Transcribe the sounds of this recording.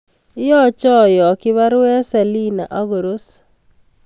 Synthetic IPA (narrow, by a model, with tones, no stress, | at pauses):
jɔ˦t͡ʃɔ˦jɔ˨kɪ˦βa˦ɾwɛ˦sa˨li˦na̰˨ʔɔ˦ɡo˨ɾo˦s